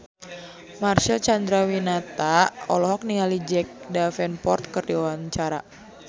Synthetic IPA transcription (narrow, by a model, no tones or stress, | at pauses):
marʃɛlt͡ʃand̪ɾawinat̪aɔ̰lɔɦɔk̚niŋalid͡ʒɛk̚dafɛnpɔrt̪̚kərdiɔwant͡ʃaɾa̰